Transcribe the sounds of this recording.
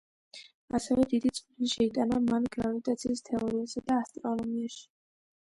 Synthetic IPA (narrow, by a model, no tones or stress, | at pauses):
asɛvɛd̪id̪it̪sʼqʼd̪iniʃɛit̪ʼanamanɡɾavit̪ʼat̪sʰiːst̪ʰɛɔɾiasɛd̪aːst̪ʼɾɔnɔmiaʃi̥